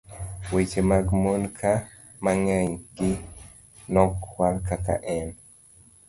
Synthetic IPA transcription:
wet͡ʃemaɡmonkʰa | maŋɛɲɡɪ | nɔkwalkaka̰ʔɛn

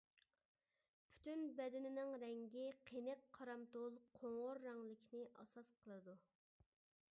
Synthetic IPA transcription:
pʰy̥t̪ynbɛd̪ɪnɪnɪŋɾɛŋɡʲiqʰenɨqʰːɑɾɑmt̪olˠqʰoŋʁoɾːɑŋlɪkʲʰnɪʔɑ̰sɑsqʰəlˠɨd̪u

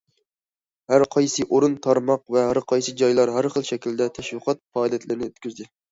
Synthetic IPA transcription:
hæɾqʰɑjsɨʔoɾɨnt̪ʰɑɾmɑq̚vɛɦæɾqʰɑjsɨd͡ʒɑjlˠɑɾɦæɾχəlˠʃɛkʲild̪ɛt̪ʰɛʃwɨqʰɑt̪̚fɑːd̪ɛt̪lɪɾɪnɪøt̪kʲyzd̪ɪ

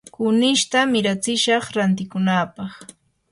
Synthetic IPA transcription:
kʊnɪʃt̪amɪɾat͡sɪʃɑχɾant̪ɪkʊnaːpɑχ

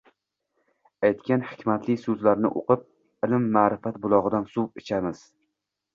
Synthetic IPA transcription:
ajt̪kʲanhɪ̥kʲmat̪lɪsɵzlaɾnɪ̰ʔo̰qʰɨp̚ | ɪlɪmːaːɾɪfat̪bʊlˠɒʁɨd̪ansuwɪt͡ʃʰamɪz̥

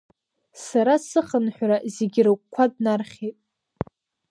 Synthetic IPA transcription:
saɾasɨχənħʷᶣɾazeɡʲirɨkkʷʰːadnarχʲetʼ

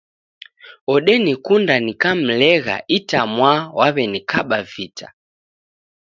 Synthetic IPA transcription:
ɔɗɛnikundanikam̩lɛɣa̰ʔitamwawaβɛnikʰaɓavitʰḁ

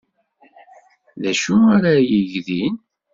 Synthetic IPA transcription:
ðæʃuaɾajəʝðin

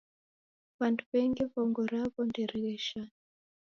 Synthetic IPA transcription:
βantʰuβɛŋɡiβɔŋɡɔɾaβɔndiɾiɣɛʃan

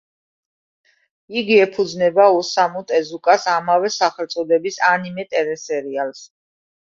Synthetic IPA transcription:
iɡiɛpʰud̪znɛbausamut̪ʼɛzukʼasamavɛsaχɛlt̪sʼɔd̪ɛbisanimɛt̪ʼɛɾɛsɛɾials

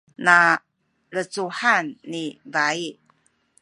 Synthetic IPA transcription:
na | ɾət͡suħanːivai

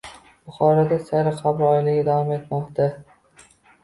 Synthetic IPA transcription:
b̥ʊχɒɾad̪asaɾɪqʰabɾɒjlɪɡʲɪd̪avɒme̞t̪mɒqt̪ʰa

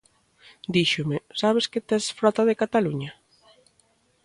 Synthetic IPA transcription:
d̪iʃʊmɪsaβ̞eskɪt̪ɛsfɾɔt̪aðekat̪aluɲa

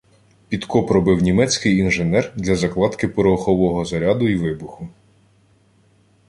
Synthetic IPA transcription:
pʲid̪kɔpɾɔbɪwnʲimɛt͡sʲkɪjinʒenɛrd̪lʲɐzɐklˠɑt̪kɪpɔɾɔxɔʋɔɦɔzɐɾʲɑd̪ʊiʋɪbʊxʊ

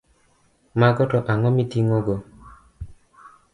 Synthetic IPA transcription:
maɡɔtɔʔaŋɔmitiŋɔɡɔ

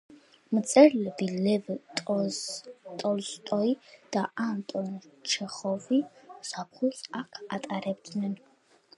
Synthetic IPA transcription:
mt̪sʼɛɾlɛbilɛvtʼ | t̪ʼɔlst̪ʼɔid̪̥aant̪ʼɔnt͡ʃʰɛχɔvisap̚ʰχusakʰat̪ʼaɾɛb̚d̪nɛn

